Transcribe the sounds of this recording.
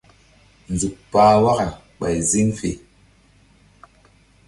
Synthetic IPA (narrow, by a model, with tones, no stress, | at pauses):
n̩˨d͡zu˨k̚paː˨˦wa˦ka˨ | ɓa˨jzi˦ŋfḛ˨